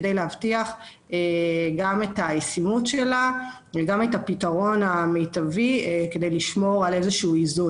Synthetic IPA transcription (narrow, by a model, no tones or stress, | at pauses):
dejleɦavtiaχ | eɡametajesimutʃela | veɡametapitaʁo̞name̞jtavike̞de̞jliʃmo̞ʁale̞zeʃuːizu